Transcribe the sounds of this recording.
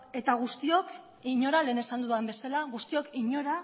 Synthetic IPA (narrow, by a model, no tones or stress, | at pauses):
e̞t̪aɣ̞ust̪io̞k | iɲo̞ɾale̞ːne̞sand̪uðuambe̞salaɣust̪io̞kiɲo̞ɾa